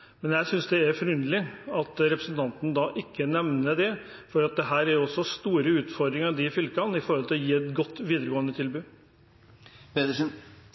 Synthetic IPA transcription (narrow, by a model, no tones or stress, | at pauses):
mɛnjæɪsʏnsd̪ɛæɾfɔɾʉnd̪lɪɑt̪ɾɛpɾəsənt̪ʰɑnt̪nəd̪ɑʔɪkːənɛʋnəd̪ɛ | fɔɾɑt̪̚d̪ɛɦæːɾæɾjʊɔsːɔst̪uːɾəʉːt̪fɔɾd̪ɾɪŋɑɾd̪ɪfʏlkɑnɪfɔɾhɔlt̪ʰɪlɔjiːɛt̪ɡɔt̪ːʋiːd̪əɾəɡoːənd̪ət̪ʰɪlbʉː | pet̪əʂ